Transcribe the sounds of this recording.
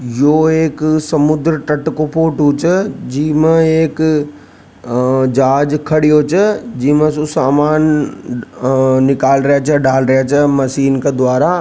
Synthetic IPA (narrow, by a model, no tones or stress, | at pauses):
joːeːksɐmʊd̪ɾəʈɐʈkopoːʈut͡ʃʰəd͡ʑiːmə̃eːk | d͡ʒaːd͡ʒkʰɐɽijot͡ʃʰəd͡ʑiːmə̃susaːmaːn | ɪkaːlɾɐjat͡ʃʰəɖaːlɾjat͡ʃʰəmɐʃiːnked̪waːɾa